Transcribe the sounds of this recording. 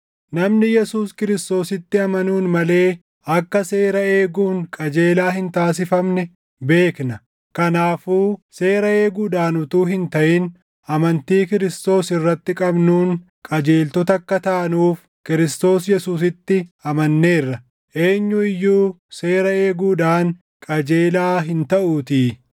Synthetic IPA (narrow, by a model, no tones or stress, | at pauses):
nɐmnɪjɛsuːskɪɾɪst̪o̞ːsɪt̪ːɪɐmɐnuːnmɐle̞ː | ɐkːɐse̞ːɾɐeːɡuːŋkʼɐd͡ʒe̞ːlaːɦɪnt̪aːs̬ɪfɐmnɛ | be̞ːknɐ | kɐnaːfuːse̞ːɾɐeːɡuːd̪aːnʊt̪uːɦɪnt̪ɐʔɪn | ɐmɐnt̪iːkɪɾɪst̪o̞ːsɪrːɐt̪ːɪkʼɐbnuːŋ | kʼɐd͡ʒe̞ːlt̪ɔt̪ɐkːɐt̪ɐʔɐnuːf | kɪɾɪst̪o̞ːsjɛsuːs̬ɪt̪ːɪɐmɐnːeːrːɐ | ʔe̞ːɲːʊɪjːuː | se̞ːɾɐe̞ːɡuːᶑaːŋ | kʼɐd͡ʒe̞ːlaːɦɪnt̪ɐʔuːt̪iː